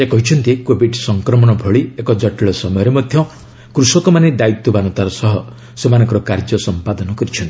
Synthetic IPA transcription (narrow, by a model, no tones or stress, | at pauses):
ekɔɦit͡ʃʰɔnt̪ikobiʈsɔŋkɾɔmɔɽ̃ɔbʱɔɭiekɔd͡ʒɔʈiɭɔsɔmɔjɔɾemɔd̪ʱjɔ | kɾusɔkɔmaned̪ait̪ːubanɔt̪aɾɔsɔɦɔ | semanɔ̃ŋkɔɾɔkaɾd͡ʒɔsɔmpad̪ɔnɔkɔɾit͡ʃʰɔnt̪i̥